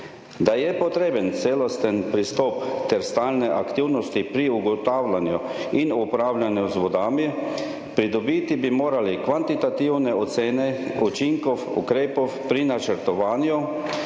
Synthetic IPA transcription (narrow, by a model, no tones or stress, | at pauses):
d̪ajɛpɔt̪ɾeːbənt̪seːlɔst̪ənpɾist̪ɔːpt̪ɛɾst̪aːlnɛʔakt̪iwnɔst̪ipɾiuɡɔt̪aːwlanju | inupɾaːwlʲjanjuzʋɔd̪aːmi | pɾid̪ɔbit̪ibimoːɾalikʋant̪it̪at̪iwnɛɔt̪seːnɛut͡ʃiŋkɔwṵkɾeːpɔwpɾinat͡ʃəɾt̪ɔʋaːnju